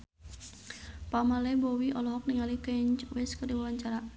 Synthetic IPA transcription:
pamalɛbɔwiʔɔlɔɦɔk̚niŋalikɛɲt͡ʃwɛskərdiwawaɲt͡ʃaɾa

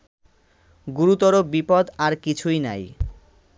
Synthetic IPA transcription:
ɡuɾut̪ɔɾobipɔd̪aɾkit͡ɕʰujna̰j

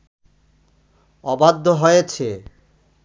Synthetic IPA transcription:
ɔbad̪ʱːoɦojet͡ɕʰe

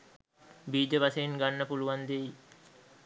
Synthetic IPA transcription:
biːd͡ʒəʋasəiŋɡanːəpuluʋand̪eji

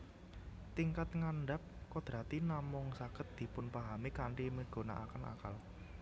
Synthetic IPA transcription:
t̪iŋkat̪̚ŋanɖap̚kɔd̪̥ɾat̪inamʊŋsakət̪̚d̪̥i̤pʊnpaɦamikaɳɖiməɡ̥o̤na̰ʔakəna̰kal

